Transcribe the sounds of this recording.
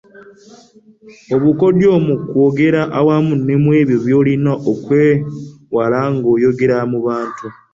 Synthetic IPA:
oβuko̞djo̞ːmukwoɡe̞ɾaʔawamunːemwe̞ːβjoβjo̞ːlinaʔokwewalaŋɡo̞ːjo̞ɡe̞ɾamuβaːntu

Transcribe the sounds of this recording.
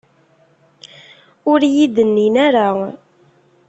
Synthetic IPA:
ʊɾjid̪ənːinæɾa

